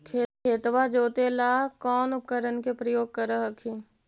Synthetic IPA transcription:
kʰekʰeːt̪wad͡ʒoːt̪elaːkɔːnʊp̚kəɾənkepɾəjoːɡ̚kəɾəɦəkʰiː

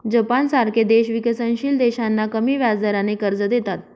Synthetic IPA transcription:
d͡ʑəpansaɾkʰed̪eɕʋikəsənɕiːld̪eɕanːakəmiːʋjad͡zd̪əɾanekəɾd͡zəd̪et̪at̪̚

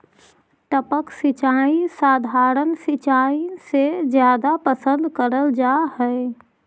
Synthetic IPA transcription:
ʈ̪əpəksɪt͡ʃaːĩsaːd̪ʱaːɾənsit͡ʃaːisezjaːd̪apəsə̃nd̪kəɾəld͡ʒaːɦɛe

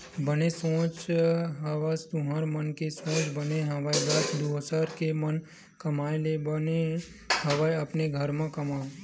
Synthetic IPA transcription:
bənesõːt͡ʃɦəʋast̪ʊɦaːɾmənkesõːt͡ʃbəneɦəʋaːjd̪at̪ʰd̪usaɾkemən | kɐmaːelebəne | hɐʋaːjɐpneɡʱəɾmãkɐmaː

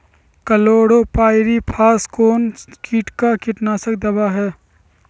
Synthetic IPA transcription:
kəloːɽopaːɪɾipʰaːskoːnkiːʈkakɪʈnaːsək̚d̪əbaɦɛː

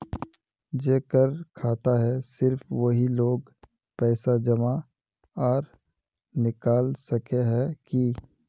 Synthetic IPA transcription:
d͡ʒeːkəɾkʰaːt̪aɦɛsɪɾfʋəɦiloːɡ | pɛːsad͡ʒɐma | ɔːɾ | nɪkaːlsɐkeɦɛki

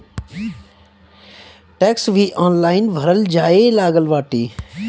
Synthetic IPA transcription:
ʈɛːksʋʱiʔãːnlaːɪnʋʱəɾəld͡ʒaːelaːɡəlʋaːʈiː

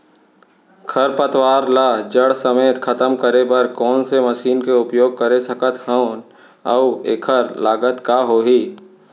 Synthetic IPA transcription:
kʰəɾpət̪waːɾlaːd͡ʒəɽsəmeːt̪kʰɐt̪əmkəɾebɐɾkɔːnseməʃiːnkeʊpjoːɡ̚kəɾesɐkət̪həʊn | əʊḛːkʰəɾlaːɡət̪kaɦoːɦiː

